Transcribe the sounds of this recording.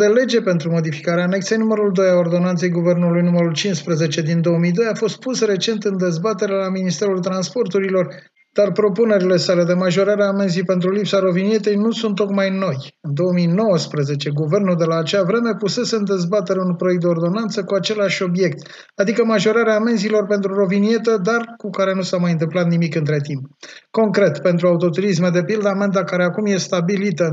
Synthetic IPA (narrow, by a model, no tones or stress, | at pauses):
d̪e̞le̞d͡ʒe̞pe̞nt̪ɾumo̞d̪ifi̥kaɾeaːne̞kt̪sejnuməɾuld̪o̞jao̞rd̪o̞nant̪se̞jɡuve̞rnulujnuməɾult͡ʃinspɾeze̞t͡ʃe̞d̪ind̪o̞omijd̪o̞jafo̞st̪̚pusre̞t͡ʃe̞nt̪ɨnd̪e̞zbat̪e̞ɾelaminist̪e̞ɾult̪ɾanspo̞rt̪uɾilo̞r | d̪̥arpɾo̞pune̞ɾile̞sale̞d̪e̞maʒo̞ɾaɾeaːme̞nzijpe̞nt̪̬ɾulipsaɾo̞vinije̞t̪e̞jnusunt̪ːo̞kmajno̞j | ɨnd̪o̞omijno̞wəspɾəze̞t͡ʃe̞ɡuve̞rnud̪e̞laːt͡ʃeavɾe̞me̞puse̞seɨnd̪e̞zbat̪e̞ɾeunpɾojek̚t̪d̪eord̪o̞nant̪səkuat͡ʃe̞laʃʲo̞bje̞k̚t̪ | ad̪ikəmaʒo̞ɾaɾeame̞nzilo̞rpe̞nt̪ɾuro̞vinie̞t̪əd̪arkukaɾe̞nusamajɨnt̪ɨmplat̪nimikɨnt̪ɾe̞t̪impko̞ŋkɾe̞t̪pe̞nt̪ɾuaut̪o̞t̪uɾis̬med̪e̞pild̪əame̞nd̪akaɾe̞akumje̞st̪abilit̪ə